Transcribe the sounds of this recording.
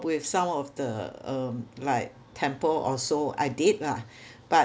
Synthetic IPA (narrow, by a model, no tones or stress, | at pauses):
pwɪfsãmɔfdə̰ʌ̃mlaɪk̚tʰɛ̃mpəlɔ̰soa̰ɪdid̚lab̥a